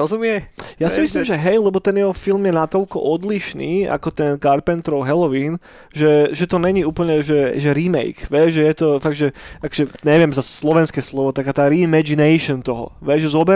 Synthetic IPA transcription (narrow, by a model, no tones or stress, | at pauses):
ɔzumɪɛjasimisliːmʒɛɦɛjlɛbɔt̪ɛnjɛɦɔfilmjɛnat̪ɔlkɔ̰ʔɔd̪liʃnḭːa̰kɔt̪ɛnkaɾpɛnt̪ɾɔʊɦɛlɔʋiːn | ʒɛʒɛt̪ɔɲɛɲiuːpl̩ɲɛʒɛʒɛɾimɛ̰jkʋjɛʒɛjɛt̪ɔfaɡ̚ʒɛʔakɔ̥ʒɛɲɛʋɪɛmzasslɔʋɛnskɛːslɔʋɔt̪akaːt̪aːɾimɛd͡ʒinɛjʃɔnt̪ɔɦɔ̰ʋɛʒʒɛzɔbɛ